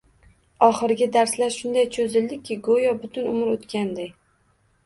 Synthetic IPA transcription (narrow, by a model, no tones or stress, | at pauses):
ɒχɨɾɡʲɪd̪aɾslaɾʃʊnd̪ajt͡ʃʰɵzɪld̪ɪkʲʰːɪɡojɒbʊt̪ʰʊnʊmɪɾot̪kʲand̪ɪ